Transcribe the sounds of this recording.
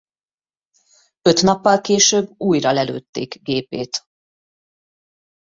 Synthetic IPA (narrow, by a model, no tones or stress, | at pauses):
ø̞t̪nɒpːɒlkeːʃøːbːuːjrɒlɛlø̰ːt̪ːeːkɡeːpeːt̪